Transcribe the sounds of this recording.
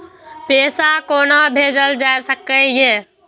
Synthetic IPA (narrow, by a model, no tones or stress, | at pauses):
peːsakoːnabʱeːd͡ʒəld͡ʒaːesəkəjeː